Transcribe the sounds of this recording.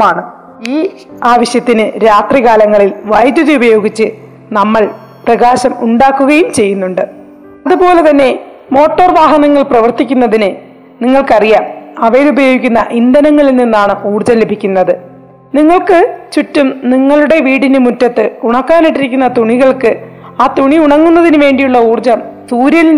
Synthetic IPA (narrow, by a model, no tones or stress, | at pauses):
maːɳɨ | iː | aːʋɐɕjɐt̪ːinɨɾaːt̪riɣaːlɐŋːɐɭilʋɐjd̪juðiubɐjo̞ːɡit͡ɕːɨ | nɐmːɐɭ | prɐɣaːɕɐmuɳɖaːkːuɣɐjumt͡ɕe̞jːunːuɳɖɨ | ɐðupo̞ːle̞t̪ɐnːe̞ | mo̞ːʈːɐrʋaːɦɐnɐŋːɐɭprɐʋɐrt̪ikʲːunːɐðinɨ | niŋːɐɭkɐrijaːmɐʋɐjlubɐjoːɡikʲːunːɐʔind̪ɐnɐŋːɐɭilninːaːɳɨʔuːrd͡ʑɐmlebʱikʲːunːɐðɨ | niŋːɐɭkɨt͡ɕutːumniŋːɐɭuɽe̞ʋiːɽinɨmutːɐt̪ːɨuɳɐkːaːniʈːiɾikʲːunːɐt̪uɳiɣɐɭkɨ | aːt̪uɳiuɳɐŋːunːɐðinɨʋe̞ːɳɖijuɭːɐuːrd͡ʑɐmsuːɾjɐli